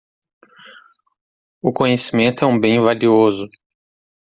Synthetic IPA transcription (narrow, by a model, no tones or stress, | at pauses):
ʊkõɲesimẽnt̪ʊɛũbẽj̃valiozʊ